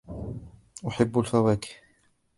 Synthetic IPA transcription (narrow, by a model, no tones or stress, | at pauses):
ʔʊħɪbːalfawaːkɪ̥